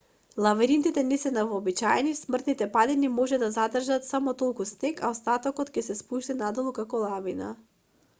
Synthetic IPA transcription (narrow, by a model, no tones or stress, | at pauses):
lˠavɛɾint̪it̪ɛnɛsɛnavɔːbit͡ʃaɛnismr̩t̪nit̪ɛpad̪inimɔʒɛd̪azad̪r̩ʒat̪samɔt̪olˠkusnɛkaɔst̪at̪ɔkɔt̪cʲɛsɛspuʃt̪ɛnad̪ɔlˠukakɔlˠavina̰